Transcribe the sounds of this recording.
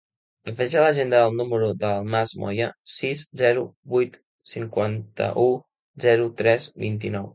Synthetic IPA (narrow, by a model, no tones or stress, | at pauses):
əfɛʒələʒend̪əðəlˠnuməɾuðəlˠmazmʔɔ̰jəsizzɛɾubujt̪ | siŋkwant̪ə̰ʔu | zɛɾut̪ɾɛzbḭnt̪inɔw